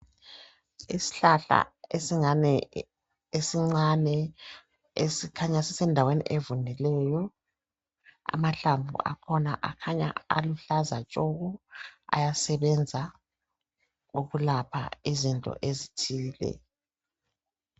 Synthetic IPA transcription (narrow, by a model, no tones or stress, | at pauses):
ḭsi̥ɬaɬa̰esiŋanɛ | esiŋ͡ǀanɛ | esikʰaɲasisɛndʱawenḭʔevunɛlɛjɔ | a̰maɬaɱvʱṵʔa̰kʰɔna̰ʔakʰaɲa̰a̰luɬazat͡ʃʼoɣua̰jasɛβɛnd͡zʱa | uɣulapʰa̰izintʼɔ̰ʔezitʰiːlɛ̰